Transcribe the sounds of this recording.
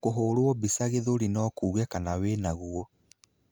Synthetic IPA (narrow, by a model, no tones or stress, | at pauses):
koɦoːɾoɔbisaɣeðoɾinɔkuːɣɛkanawenaɣuɔ